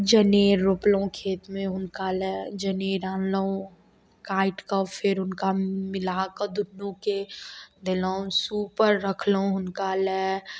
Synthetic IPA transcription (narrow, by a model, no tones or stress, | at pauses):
d͡ʒəneːɾːoplõkʰeːt̪mẽʊnkalɛd͡ʒəneːɾãːnloõ | kaːɪʈkafʰɪɾʊnkamɪlaːkəd̪ʊnːũked̪ɪloõsuːpəɾːəkʰloõʊnkalɛ